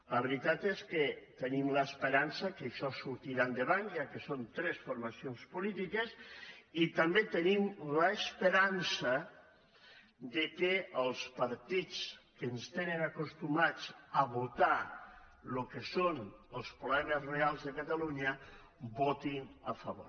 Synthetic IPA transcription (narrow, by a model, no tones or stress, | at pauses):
ləβeɾit̪at̪eskət̪ənimləːspəɾansəkəʃɔsuɾt̪iɾand̪əβanjakəsont̪ɾɛsfuɾmasionspulit̪ikəsit̪ambet̪ənimləːspəɾansə | d̪əkeəlˠspaɾt̪it͡skənst̪enənakust̪umat͡səβut̪a | lukəsonəlˠspɾuβɛməzrealˠzðəkat̪aluɲə | bot̪inəfəβo̰ɾ